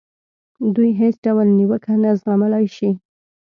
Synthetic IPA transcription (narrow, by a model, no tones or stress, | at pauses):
d̪ujɦesɖawalniwəkʰanazɣamalɑjʃi